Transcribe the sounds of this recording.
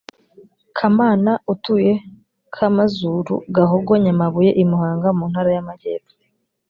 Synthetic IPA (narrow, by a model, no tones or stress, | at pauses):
kʰamaːnautuje̞ | kʰamazuɾṵɡaɦoɡwoɲamaβuje̞ʔimuhaːŋɡamuːn̥haɾajamaɟe̞̰ːpo̥